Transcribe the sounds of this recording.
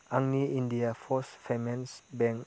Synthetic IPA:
aŋniindiafɔsfɛmɛnsbɛ̃ŋ

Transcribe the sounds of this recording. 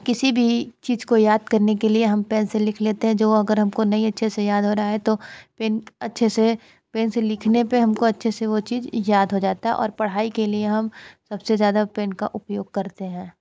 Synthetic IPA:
kɪsibʱit͡ʃiːzkojaːd̪̚kɐɾnekelieɦɐmpeːnselɪkʰleːt̪eɦɛ̃d͡ʒoːɐɡəɾɦɐmkonɐĩɐtːʃʰesejaːd̪ʱɦoːɾaɦɛt̪opeːnɐtːʃʰese | peːnselɪkʰnepeɦɐmkoɐtːʃʰeseʋot͡ʃiːzjaːd̪ʱɦod͡ʒaːt̪aɦɛ̰ʔɔ̰ːɾpɐɽ̤aːikelieɦɐmsɐbsezjaːd̪apeːnka̰ʔʊpjoːɡ̚kɐɾt̪eɦɛ̃ː

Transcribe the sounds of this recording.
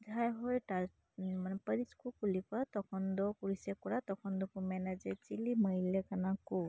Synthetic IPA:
d͡ʒʱajɦojta | manɛpəɾiskukulikat̪ɔkʰɔnd̪ɔkuɹisɛkɔɹat̪ɔkʰɔndɔkumɛnad͡ʒɛt͡ʃiliməɦilɛkanaku

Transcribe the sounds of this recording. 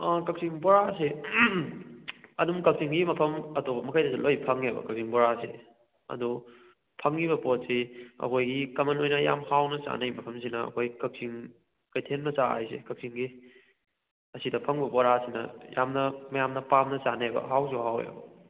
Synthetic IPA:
ɐkɐk̚siŋbɔɾase | ɐdumkɐk̚siŋɡimɐpʰɐmɐtopɐmɐkʰajdɐzɐlojpʰɐŋebɐ̰kɐk̚siŋbɔɾase | ɐ̰du | pʰɐŋːibɐpot̚siɐ̰kʰojɡikɐmɐnojnɐja̰mhawnɐt͡ʃa̰nɐjmɐpʰɐms̬inɐɐ̰kʰojkɐk̚siŋ | kɐjtʰenmɐt͡ʃaa̰jsḛkɐk̚siŋɡi | ɐsidɐpʰɐŋbɐbɔɾasinɐ̰ja̰mnɐmɐjamnɐpamnɐt͡ʃanebɐ̰ɦawsuɦawḛbɐ

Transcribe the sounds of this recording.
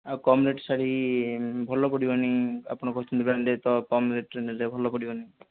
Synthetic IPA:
akɔmuneʈsaɽi | bʱɔlɔpɔɽibɔniapɔɽ̃ɔkɔɦit͡ʃʰunt̪ibɾand̪et̪ɔkɔmuneʈ̚ʈɾenelɾebʱɔlɔpɔɽibɔni

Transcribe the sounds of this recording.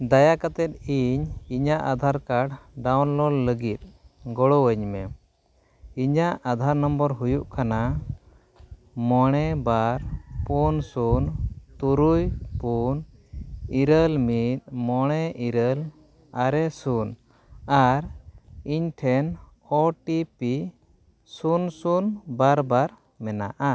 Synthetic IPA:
d̪ajakat̪ɛt̪̚iɲiɲaʔad̪ʱaɾkaɽɖawnlɔlləɡit̪̚ɡɔɽɔwəɲmɛ | iɲaʔad̪ʱaɾnɔmbɔɾɦujuʔkana | mɔɽ̃ɛbaɾpunsunt̪uɾujpun | iɾəlmit̪̚mɔɽ̃ɛʔiɾəl | aɾɛsun | aɾiɲʈʰɛn | ɔʈipi | sunsunbaɾbaɾ | mɛnaʔa

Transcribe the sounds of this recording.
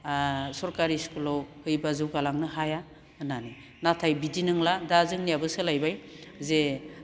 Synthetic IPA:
sɔɾkaɾiskulɔwhɯjbazɯwɡalaŋnɯɦaja | nani | natʰajbidinɯŋladazɯŋnijabɯsɯlajbajze

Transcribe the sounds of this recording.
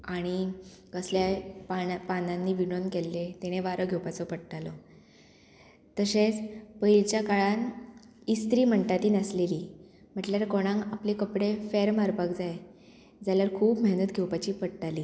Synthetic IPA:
aɽ̃ikəsljapapananːiːʋiɳonkelːet̪eɽ̃eʋaɾəɡʱjewpat͡sɔpəɽʈalɔ | t̪əset͡spəilt͡ɕjakaɭan | ist̪ɾiːm̤əɳʈat̪iːnəsleliː | m̤əʈljaɾkɔɽ̃ãŋɡaplekəpɽefeɾməɾpakd͡zae | d͡zalaɾkʰuːpməɦnət̪ɡʱewpat͡ɕiːpəɽʈaliː

